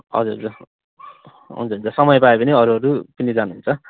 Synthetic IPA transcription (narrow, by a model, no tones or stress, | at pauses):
ʌ̰d͡zuɾɦʌd͡zur | ɦṵnt͡sʰʌɦunt͡sʰʌsʌmʌjpaepʌniʌɾuɦʌɾupʌnid͡zanuɦunt͡sʰʌ